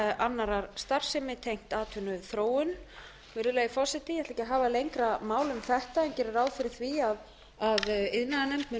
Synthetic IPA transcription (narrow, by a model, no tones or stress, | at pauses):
anːaɾaɾ̥st̪ar̥sɛmɪt̪ʰejŋ̥t̪aːt̪ʰʏnʏθɾoːwʏn | vɪɾðʏlɛːɣifɔsɛt̪ɪjɛht̪lɛcɪaɦaːvalejŋkɾamaːwlʏmθɛht̪aɛncɛɾɪɾaːwðfɪɾɪθviað | aðɪðnaðanɛmt̪mɪ